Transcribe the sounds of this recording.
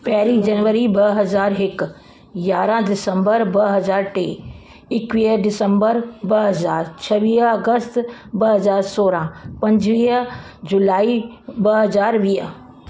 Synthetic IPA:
pɛɦɾid͡ʒɐnʋəɾibɐɦɐzaːɾɦɪk | jaːɾãd̪ɪsəmbəɾbɐɦɐzaːɾʈeː | ɪkʋiːɦɖɪsə̃mbəɾbɐɦɐzaːɾt͡ʃʰɐʋiːɦɐɡəst̪bɐɦɐzaːɾsoːɾãpɐ̃ɲd͡ʒʋiːɦ | d͡ʒʊlaːibɐɦɐzaːɾʋiːɦ

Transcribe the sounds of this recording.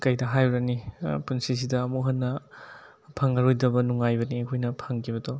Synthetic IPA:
kɐjdɐɦajɾɐnipunsis̬idɐːmuɦɐnːɐ | pʰaŋɐɾojdɐbɐnuŋajbɐniekʰojnɐpʰaŋkʰiβɐdɔ

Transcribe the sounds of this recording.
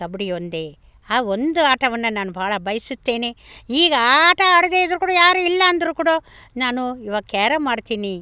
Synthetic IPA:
ɐbɽiond̪e | aːond̪uaːʈɐʋɐnːɐnaːnubʱaːɭɐbʱɐjɐsut̪ːe̞ːneiːɡɐaːʈɐaːɽed̪eːd̪ɐɾukuːɽɐjaːɾuilːɐːnd̪ɐɾukuːɽoːnaːnuiʋaːkɛːɾɐmaːɽt̪iːni

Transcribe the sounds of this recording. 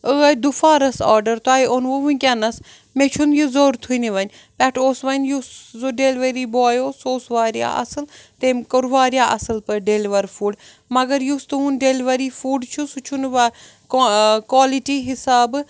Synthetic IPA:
əɐd̪ufaːɾɐsa̰ːɾɖɐɾt̪oaːiʔonʋoʋukʲɐnɐs | met͡ʃʰunjizoːɾt̪ʰuiniʋɐnʲ | pʲɛʈʰoːsʋɐnjuszoɖeːlʋɐɾiːboaːjoːsoːsʋaːɾija̰ːʔɐ̰sɨlt̪eːmkəɾʋaːɾjaːʔɐsɨlpɐɖeːliʋɐɾfuːɖ | mɐɡɐɾjust̪uɦunɖeːlʋɐɾiːfuːɖt͡ʃʰusut͡ʃʰunʋa | kwaːliʈiːɦɪsaːb

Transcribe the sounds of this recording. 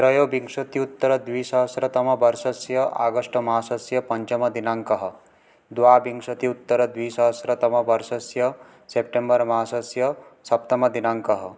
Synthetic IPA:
t̪ɾɐjoːbiŋʂɐt̪iut̪ːɐɾɐd̪ʋiːsɐɦsɾɐt̪ɐmɐbɐɾsɐsjɐʔa̰ːɡəʂʈɐmaːsɐsjɐpɐɲt͡ʃɐmɐd̪inaŋkɐɦɐ̆ | d̪ʋaːbiŋɡʂɐt̪iut̪ːɐɾɐd̪ʋiːsɐɦsɾɐt̪ɐmɐbɐɾsɐsjɐ | sepʈembɐɾmaːsɐsjɐsɐpt̪ɐmɐd̪inaŋkɐɦ

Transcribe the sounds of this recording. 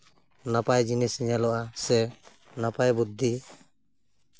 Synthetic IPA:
napajd͡ʒinɛsɛɲalɔʔasɛ | napajbud̪ʱːi

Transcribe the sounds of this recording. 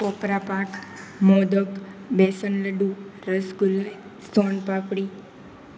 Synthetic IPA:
popɾapakmod̪əkbesənləɖũɾəskulnest̪onpapɽi

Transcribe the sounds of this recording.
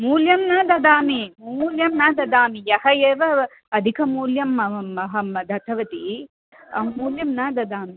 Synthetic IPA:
muːljɐmnaːd̪ɐd̪aːmimuːljɐmnaːd̪ɐd̪aːmijɐhɐjeːʋɐ | ɐd̪ʱikʰɐmuːljɐmɐɐɦɐmɐd̪ʱɐt̪ʰɐʋɐt̪i | ɐmuːljɐmnaːd̪ɐd̪aːmi

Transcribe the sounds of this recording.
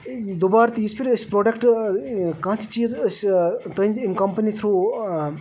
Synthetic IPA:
d̪oːbaːɾt̪ijispʰiɾəspɾoːɖekʈ | kɐ̃ɦt̪ʰi̥t͡ʃiːzəst̪əninkɐmpənit̪ʰɾuː

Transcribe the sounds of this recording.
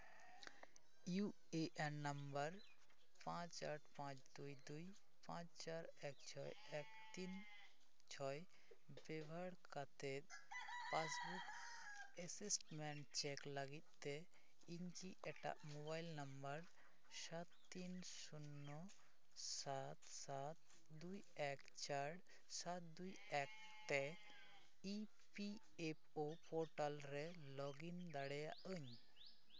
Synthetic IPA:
ju | eʔɛnnəmbəɾ | pãt͡ʃaʈʰpãt͡ʃd̪ujd̪uj | pãt͡ʃt͡ʃaɾ | ɛk̚t͡ʃʰɔj | ɛkt̪in | t͡ʃʰɔj | bɛbʱaɽkat̪et̪̚ | pasbuk | ɛsisʈmɛɳʈ̚t͡ʃɛklaɡit̪̚ˀt̪e | iɲkiʔɛʈa̰ʔmɔβajlnəmbəɾ | sat̪ːin | sunːɔ | sat̪sat̪̚ | d̪uj | ɛk | t͡ʃaɽ | sat̪̚d̪uj | ɛk̚ | t̪ɛ | i | pi | epʰopɔɾʈalɾɛ | lɔɡind̪aɽɛjaʔəɲ

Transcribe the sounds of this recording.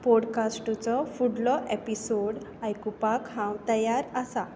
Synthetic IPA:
pɔɽkasʈut͡sɔfuɽlɔʔepisoɽ | ajkupakɦãwt̪əjaɾəsa

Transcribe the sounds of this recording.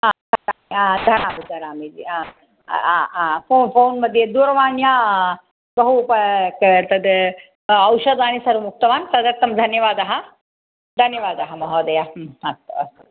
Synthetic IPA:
aːt̪ɐt̪aːmiad̪ʱɐɾaːmid̪ʱɐɾaːmid͡ʒia̰ | foːfoːnmɐd̪ʱjed̪uːɾɐʋaːnjaː | bɐɦupɐkt̪ɐd̪ | ɐwʃɐd̪aːnisɐɾumuk̚t̪ɐʋaːnt̪ɐd̪ɐɾt̪ːɐmd̪ʱɐnjɐʋaːd̪ɐɦɐ̆ | d̪ʱɐnjɐʋaːd̪ɐɦɐmɐɦoːd̪ɐjaɐk̚t̪ɐɐ̰

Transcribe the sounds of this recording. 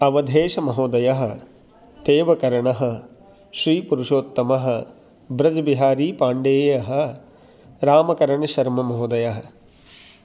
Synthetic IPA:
ɐʋɐd̪ʱeːʃɐmɐɦoːd̪ɐjɐɦɐ̆ | t̪eːʋɐkɐɾɐɳɐɦɐ̆ | ʃɾiːpuɾuʃoːt̪ːɐmɐɦɐ̆ | bɾɐd͡ʒɐbiɦaːɾiːpaːɳɖeːjɐɦɐ̆ | ɾaːmɐkɐɾɐɳɐʃɐɾmɐmɐɦoːd̪ɐjɐɦɐ

